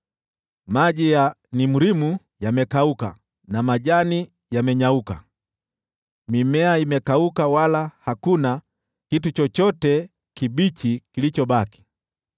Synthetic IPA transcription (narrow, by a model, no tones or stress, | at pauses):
maʄija | nimuɾimu | jamɛkauka̰ | namaʄani | jamɛɲauka̰ | mimɛaimɛkaukawalahakuna | kitut͡ʃɔt͡ʃɔtɛ | kiɓit͡ʃikilit͡ʃɔɓaki̥